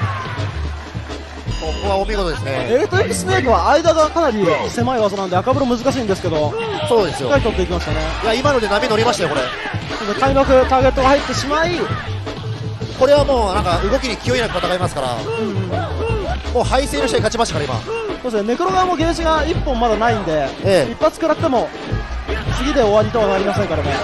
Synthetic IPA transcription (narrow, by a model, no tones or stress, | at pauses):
kokɯβaomʲiɡood̪e̞sɨneeːt̪ːoikisɨneːkɯ̟βaːid̪aɡakanaɾʲise̞maiβazonãnd̪eakabɯ̟ɾomɯ̟zɨkaɕ̬ĩːnd̪esɨ̥ke̞d̪o̞ | ikso̞ːd̪e̞sɨjokaɾʲit̪o̞t̪ːe̞ik̬ʲimaɕi̥t̪ane̞jaimano̞d̪e̞namʲino̞ɾʲimaɕit̪ajokoɾe̞sod̪ekaimakɯ̟t̪aːɡe̞t̪ːoɡahait̪ːe̞ɕimai | ko̞ɾe̞βamoːnãŋkaɯ̟ɡo̞kʲiɲ̟ikʲio̞inakɯ̟t̪at̪akaimasɨ̥kaɾa̰ɯ̟̃ɴ | moːhaiseːnoɕit̪aikat͡ɕimaɕt̪akaɾaima̰sod̪esɨne̞kɯ̟ɾo̞ɡamoɡe̞ːʑiɡaipːõ̞mːad̪anaĩnd̪e̞eipːat͡sɨ̥kɯ̟ɾat̪ːe̞mo̞ | t͡sɨɡʲid̪e̞o̞βaɾʲit̪o̞βanaɾʲimasẽŋkaɾemo